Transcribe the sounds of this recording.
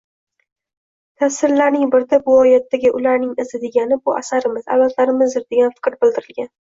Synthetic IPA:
t̪ʰasɪɾlaɾnɪŋbɪɾd̪abʊɒjat̪ːaɡʲɪʔʊlaɾnɪŋɪzɪd̪e̞ɡʲanɪbʊʔa̰saɾɪmɪza̰valt̪ʰlaɾɪmɪzd̪ɪɾd̪eɡʲanfɪ̥kʲɾbɪld̪ɪɾɪlɡʲan

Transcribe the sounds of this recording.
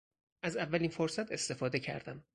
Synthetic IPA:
ʔæzævːælinfoɾsæt̪ʰe̞st̪e̞fɒːd̪e̞cʰæ̰ɾd̪æ̰m

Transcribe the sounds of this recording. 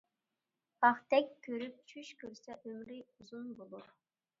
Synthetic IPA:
ɑχt̪ʰɛkʲʰːøɾyp̚t͡ʃʰyʃkʲʰøɾsɛʔømɾiuzunbolˠuɾ

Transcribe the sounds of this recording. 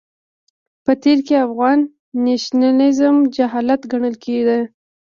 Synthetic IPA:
pət̪eɾkeafɣɑnː | eʃnanɪzmd͡ʒaɦɑlat̪ɡaɳəlkʰed̪e

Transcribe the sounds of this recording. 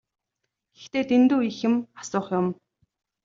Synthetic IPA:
ɡ̥e̥xt̪eːt̪ent̪uːixɘ̆mḁsʊːχjʊm

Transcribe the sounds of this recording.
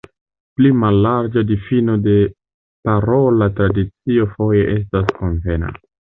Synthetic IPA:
plimalːaɾd͡ʒadifino̞de̞ | paɾolatɾadit͡sio̞fo̞je̞ʔe̞s̬tasko̞nve̞na̰

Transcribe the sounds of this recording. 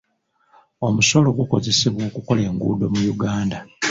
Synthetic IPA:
omuso̞lo̞ɡuko̞ze̞siβwo̞ːkuko̞le̞ːŋɡṵːdo̞mujuɡaːnda

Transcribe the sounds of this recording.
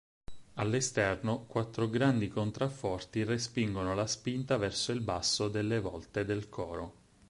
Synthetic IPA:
alːest̪ɛrnokwat̪ːɾoɡɾand̪ikont̪ɾafːɔrt̪irespiŋɡonolaspint̪avɛrsoilbasːod̪elːevɔ̰lt̪ed̪elkʰɔːɾo

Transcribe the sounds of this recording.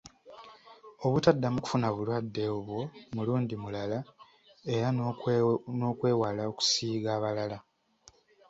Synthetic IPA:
o̞βutadːamuku̥funaβulwadːe̞oβwo̞muluːndimulala | e̞ɾa | no̞ːkwe̞ːwalao̞ku̥siːɡaːβalala

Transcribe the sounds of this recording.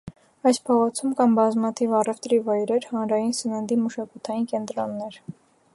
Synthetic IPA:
ɑjspʰɔʁɔt͡sʰumkɑmbɑzmɑt̪ʰivɑrɛft̪ɾivɑjɾɛɾhɑnɾɑjinsənənd̪iməʃɑkut̪ʰɑjinkɛnt̪ɾɔnːɛɾ

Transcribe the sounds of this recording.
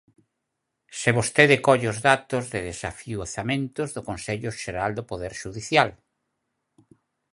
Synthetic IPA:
seβost̪eðɪkɔʎʊzðat̪ʊzðɪðesafiuθamẽnt̪ʊzðʊkonseʎʊʃeɾald̪opoðeɾʃuðiθjal

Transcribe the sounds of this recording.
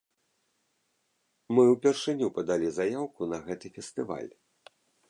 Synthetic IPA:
mɨwpʲɛrʂɨnʲupɐd̪alʲizajawkunɐɣɛt̪ɨfʲɛst̪ɨva̰lʲ

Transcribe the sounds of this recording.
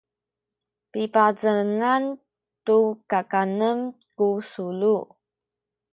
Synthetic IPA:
pipad͡zəŋan | tukakanəmkusulu

